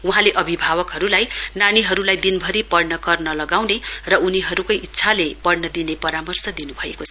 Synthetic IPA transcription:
uɦãleʔʌbʱibʱabʌkɦʌɾulajnaniɦʌɾulajd̪inbʱʌɾipʌɽnʌkʌrnʌlʌɡawnerʌʔuniɦʌɾukʌjʔitːsʰalepʌɽnʌd̪inepʌɾamʌrsʌd̪inubʱʌḛkot͡sʰʌ

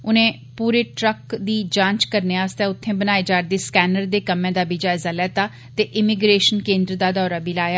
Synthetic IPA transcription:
ʊnẽː | puːɾeːʈɾəkd̪iːd͡ʒãːt͡ʃkəɾneːaːst̪eːʊt̪ʰːẽːbənaːeːd͡ʒaːɾd̪eːskɛːnəɾd̪eːkəmẽːd̪aːbiːd͡ʒaːɪzaːlɛːt̪aː | t̪eːʔɪmɪɡɾeːʃənkẽːnd̪ɾd̪aːd̪ɔːɾaːbiːlaːjaː

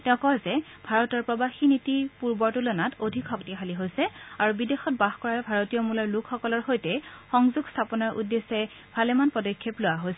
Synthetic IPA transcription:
tɛʊ̃kɔzɛ | bʱaɹɔtɔɹpɹɔbaxinitipuɹbɔɹtulɔnatodʱikxɔktixʰaliɦojsɛaɹubidexɔt̚baxkɔɹaɹɛbʱaɹotijɔmulɔɹlukʰxɔkɔlɔɹxojtɛxɔŋzuɡstʰapɔnaɹʔṵdːesɛ | bʱalɛmanpɔdɔkʰːeplʊwaɦojsɛ

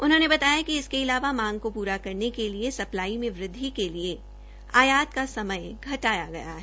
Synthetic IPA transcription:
ʊnɦõːnebɐt̪aːjakiɪskeɪlaːʋamãːŋɡ̚kopuːɾakɐɾnekeliesɐplaːimẽʋɾɪd̪ʱːikelie | aːjaːt̪kasɐməjɡʱɐʈaːjaɡɐja̰ɦɛ

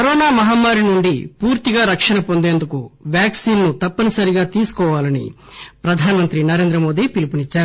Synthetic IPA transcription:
kɐɾɔːnaːmɐɦaːmːaːɾinuɳɖipuːɾt̪iɡaːɾɐkʂɐnɐpo̞nd̪eːnd̪ukuʋjaːksiːnnut̪ɐpːɐnisɐɾiɡaːt̪iːsu̥kɔːʋaːlɐnḭpɾɐd̪ʱaːnɐmɐnt̪ɾinɐɾe̞ːnd̪ɾɐmo̞ːd̪iːpilipunit͡ʃːaːɾu

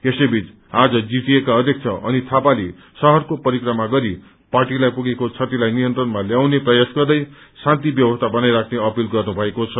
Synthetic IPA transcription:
esʌjbʱit͡s | ad͡zʌd͡ziʈiekaʌd̪ʱjʌk̚t͡sʰʌʔʌ̰nit̪ʰapali | sʌɦʌrkopʌɾikrʌmaɡʌɾi | parʈilajpuɡekot͡sʰʌt̪ilajnijʌnt̪rʌnmaljawneprʌjasɡʌrd̪ʌj | sãnt̪ibjʌbʌst̪ʰabʌnajɾakʰneʌpilɡʌrnubʱʌekot͡sʰʌ

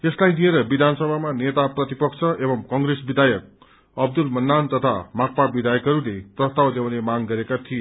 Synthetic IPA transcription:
eslajd̪ieɾʌbid̪ʱansʌbʱamanet̪aprʌt̪ipʌkt͡sʰʌʔebʌmkʌŋɡresbid̪ʱajʌk̚ | ʌb̚d̪ulmʌnːant̪ʌt̪ʰa̰mak̚pabid̪ʱajʌkʌɾuleprʌst̪awd̪jawnemaɡɡʌɾekat̪ʰie

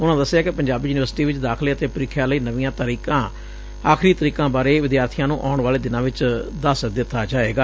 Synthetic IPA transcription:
ʊnãːd̪əsːɪjaːkɪpəɲd͡ʒaːbiːjuːnɪʋəɾsʈiːʋɪt͡ʃd̪aːkʰleːət̪eːpʊɾɪkʰːjaːləiːnəʋĩːjãːt̪əɾiːkãː | aːkʰɾiːt̪əɾiːkãːbaːɾeːʋɪd̪jaːɾt̪ʰijãːnũːʔaːʊɳʋaːleːd̪ɪnãːʋɪt͡ʃd̪əsd̪ɪt̪ʰːaːd͡ʒaːeːɡaː

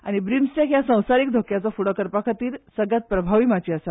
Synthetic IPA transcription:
a̰ɽ̃ibɾimsʈakjasə̃w̃saɾiːk̚d̪ʱokjat͡sɔfuɽəkəɾpakʰət̪iːɾsəɡat̪̚pɾəbʱaʋiːmat͡ɕiːasa

